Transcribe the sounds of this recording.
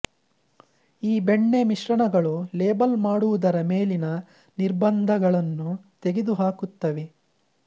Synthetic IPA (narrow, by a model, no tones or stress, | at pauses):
iːbeɳːe̞miʂɾɐɳɐɡɐɭuleːbɐlmaːɽuʋud̪ɐɾɐme̞ːlinɐ | niɾbɐnd̪ʱɐɡɐɭɐnːut̪eɡed̪uɦaːkut̪ːɐʋe